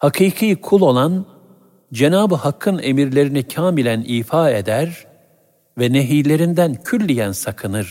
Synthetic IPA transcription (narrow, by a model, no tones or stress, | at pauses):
hakʰɯːkʰɯjkʰulˠo̞lˠan | d͡ʒe̞naːbɯhakʰːɯne̞miɾlʲe̞ɾinicʰaːmilʲæniːfaːe̞d̪æɾ | vɛne̞ɦijlʲe̞ɾind̪æncʰylʲːijænsakʰɯnɯɾ̥